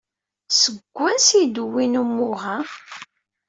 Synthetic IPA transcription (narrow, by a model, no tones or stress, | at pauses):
səɡʷːænsid̪əwːinumːʊɦæ